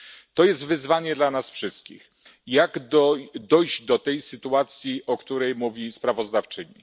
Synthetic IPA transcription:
t̪ɔjɛst̪vɘzvaɲɛd̪lanasfʂɘst̪kʲḭx | jaɡd̪ɔd̪ɔjd̪ɔt̪ɛjsɘt̪uat̪sʲjiʔɔkt̪uɾɛjmuvʲispɾavɔzd̪aft͡ʂɘɲḭ

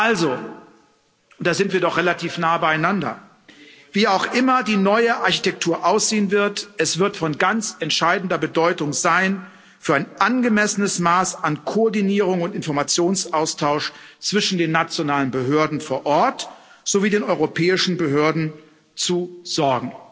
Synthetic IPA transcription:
ʔalzo | ʔʊntd̥aːzɪntv̥iːɐdɔχʁ̥elatʰiːfnaːəbaɪaɪnandɐ̰ | v̥iːaʊxʔɪmɐdiːnɔʏəʔaɐçi̥tɛk̚tʰuːɐʔaʊsz̥eːənvɪɐtʔɛsv̥ɪɐtfɔnɡant͡sɛntʃaɪdn̩dɐbədɔʏtʊŋzaɪn | fyːɐaɪnʔanɡəmɛsənəsmaːsankʰoɔɐdiniːʁ̞ʊŋʊntɪnfɔɐmat͡sjoːnsʔaʊstʰaʊʃt͡sv̥ɪʃn̩deːnːat͡sjonaːlənbəɦøːɐdn̩foːɐʔɔɐt | z̥oviːdeːnɔʏʁopʰɛːɪʃn̩bəɦøːɐdn̩ | t͡suz̥ɔɐɡŋ̩

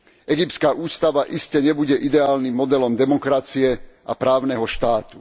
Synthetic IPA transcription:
ɛɡipt̪skaːʔuːst̪aʋaʔiscɛɲɛbuɟɛʔid̪ɛaːlnimːɔd̪ɛlɔmd̪ɛmɔkɾat͡siɛa̰pɾaːʊnɛɦɔʃt̪aːt̪u̥

